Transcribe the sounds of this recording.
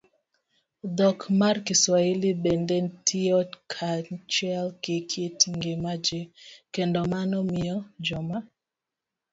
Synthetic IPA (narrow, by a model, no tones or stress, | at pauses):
d̪ɔkmarkiswailibendentʰiɔkʰat͡ʃɛlkekʰetŋɡemad͡ʒekendɔmanɔmɪɔd͡ʒɔma